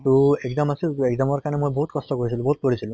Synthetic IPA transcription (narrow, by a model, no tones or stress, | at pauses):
tuɛɡzamasileɡzamɔɹkanɛmojboɦut̪̚kɔstɔkoɹisilũboɦut̪̚poɹisilʊ̃